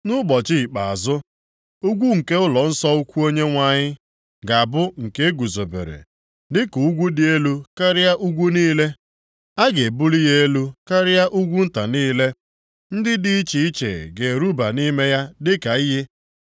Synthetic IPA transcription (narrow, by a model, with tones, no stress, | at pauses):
nʊ˦ɡ͡bɔ˨t͡ʃɪ˦˨k͡pa̰˨a˨zʊ˦ | ʊ˦ɡʷu˦ŋ̩˨ke˦ʊ˦lɔ˨n̩˦sɔ˦u˦kʷu˦o˦ɲe˦ŋʷa˦ɲɪ˦ | ɡa˨bʊ˦ŋ̩˨ke˦e˦ɡu˨zo˨bḛ˨ɾḛ˨ | dɪ˦ku˨u˦ɡʷu˦dɪ˦e˦lu˦ka˦ɾɪ˦ja˦ʔu˦ɡʷu˦niː˦le˦ | a˦ɡe˨bu˦ɾi˦je˦e˦lu˦ka˦ɾɪ˦ja˦ʔu˦ɡʷu˦n̩˦ta˨niː˦le˦ | n̩˦dɪ˦di˦i˦t͡ʃi˨i˦t͡ʃḛ˨ɡe˨ɾu˦ba˨ni˦me˦ja˦dɪ˦ka˨i˦ɦe˦